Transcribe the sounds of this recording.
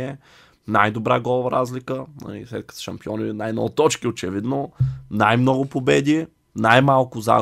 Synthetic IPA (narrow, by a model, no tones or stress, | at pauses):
ɛ | najd̪obɾaɡɔlˠvəɾazlikənɐ̰lḭslɛ̰t̪̚kə̥ʃɐmpiɔninajnɔ̰t̪ɔt͡ʃkiot͡ʃɛvid̪nonajmnɔɡʊpobɛd̪i | najmalˠkʊza̰